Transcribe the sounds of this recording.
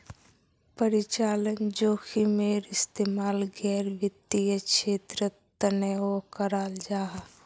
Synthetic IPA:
pəɾɪt͡ʃaːlənd͡ʒoːkʰimeːɾɪst̪eːmaːlɡɛːɾʋət̪ːijəkʃeːt̪ɾə | t̪əneokəɾaːld͡ʒaːɦ

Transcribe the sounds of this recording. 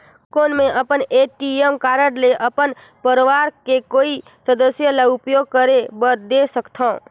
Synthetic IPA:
koːnmẽʔəpəneʈiemkaːɾəɽleʔəpən | pəɾʋaːɾkekoːi | səd̪əsjəlaʊpjoːɡ̚kəɾebəd̪esəkt̪ʰãː

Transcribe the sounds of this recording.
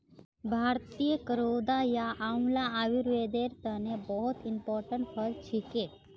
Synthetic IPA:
bʱaːɾt̪ijəkəɾoːd̪ajaʔamlaaʋiɾʋed̪eɾt̪ənebɔɦɔt̪impɔːɾʈəɳʈfʰəlt͡ʃʰike

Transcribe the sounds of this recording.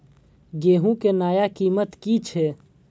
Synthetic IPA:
ɡeːɦũkenaːjakiːmət̪kit͡ʃʰe

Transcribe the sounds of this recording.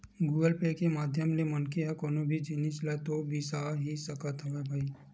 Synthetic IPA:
ɡuːɡəlpekemaːd̪ʱjəmlemɐnkeɦɛkoːnobʱid͡ʒɪnislɛt̪obʱisaːɦisəkət̪ɦɐʋebʱaːi

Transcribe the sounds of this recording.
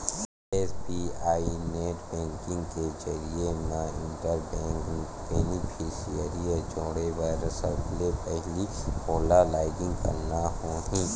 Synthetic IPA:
eːspiaːineːʈbɛ̃ːŋkɪ̃ŋɡkezɐɾienaɪ̃ɳʈəɾb | beːnɪpʰisiəɾijad͡ʒoːɽeʋaɾəsəblepɛɦlipoːlalaːɪɡɪ̃ŋɡkɐ̰ɾnaɦoːɦĩː

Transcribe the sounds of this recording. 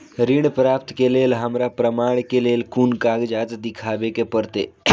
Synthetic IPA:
ɾiɳpɾapt̪kelelɦamɾapɾəmaɳkelelkunkaɡd͡ʑat͡sd̪ikʰabekepəɾt̪ḛ

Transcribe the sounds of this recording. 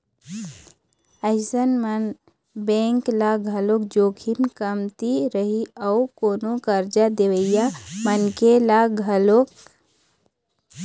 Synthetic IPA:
əɪsənmən | bẽŋklaɡʱəlok̚d͡ʒoːkʰimkəmt̪iɾəɦiəukoːnokəɾd͡ʒad̪eʋəɪjamənkelaɡʱəlok

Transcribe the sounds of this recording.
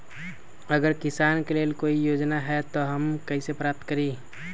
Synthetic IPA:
əɡəɾkɪsaːnkelelkoijoːd͡ʒnaɦɛt̪ɔɦəmkəisepɾap̚t̪kəɾi

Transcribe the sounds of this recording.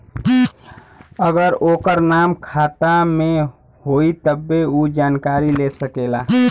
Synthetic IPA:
əɡəɾokəɾnamkʰat̪ame | ɦoit̪əbːeud͡ʒankaɾilesəkela

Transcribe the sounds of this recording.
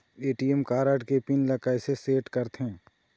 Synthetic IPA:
eːʈiɛmkaːɾaːʈkepinlɐkaːjseseːʈkɐɾt̪ɦɛ̃ː

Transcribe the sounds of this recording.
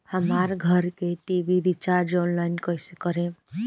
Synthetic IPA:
həmaɾɡʱəɾkeʈibiɾit͡ʃaɾd͡ʒonlajnkəjsekəɾẽ

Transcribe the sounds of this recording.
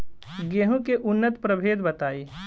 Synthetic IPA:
ɡeːɦũkeʔʊnːət̪pɾəbʱeːd̪bɐt̪aːiː

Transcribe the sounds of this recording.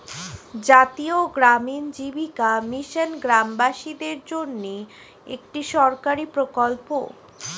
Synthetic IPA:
d͡ʑat̪ioɡɾamind͡ʑibikamiʃənɡɾambaʃid̪eɾd͡ʑonːi | ḛk̚ʈiʃɔɾkaɾipɾokolpo̰

